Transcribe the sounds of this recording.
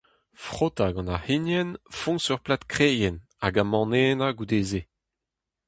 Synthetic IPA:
fχot̪aɡɑ̃nahinjɛnfɔ̃sœʁplat̪kχeːjɛn | a̰ɡamɑ̃neːnaɡud̪eːze

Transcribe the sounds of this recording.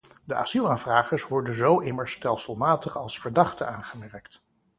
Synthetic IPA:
dəʔa̰z̥ilˠaːnvraːχəɹsʋɔɹdənzowʔɪməɹstɛlˠsəlˠmaːtəχɑlˠsfəɹdɑχtənaːnχəmɛɹkt

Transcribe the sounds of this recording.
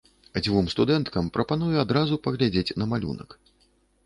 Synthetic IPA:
d͡zʲvumst̪ud̪ɛnt̪kɐmpɾɐpanujɛad̪ɾazupɐɣlʲad͡zʲet͡sʲnɐmalʲṵnɐ̰k

